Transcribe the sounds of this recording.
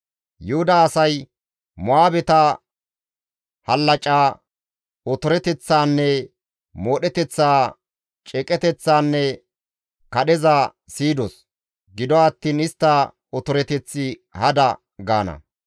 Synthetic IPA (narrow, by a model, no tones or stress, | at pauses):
jʊhʊd̪aːsɐj | mʊaːbɛt̪ɐ | hɐlːɐt͡ʃʼaː | ɔt̪ɔɾɛt̪ɛt͡sːaːnːɛ | moːɗɛt̪ɛt͡sːaː | t͡ʃʼɛkʼɛt̪ɛt͡sːaːnːɛ | kɐɗɛza | siːd̪ɔs | ɡɪd̪ɔɐt̪ːiːnɪst̪ːɐ | ɔt̪ɔɾɛt̪ɛt͡sːɪhɐd̪ɐ | ɡa̰ːnɐ̰